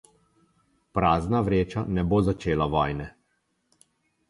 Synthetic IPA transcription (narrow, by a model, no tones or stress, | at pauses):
pɾaːznaʋɾeːt͡ʃanɛboːzat͡ʃeːlaʋɔjnɛ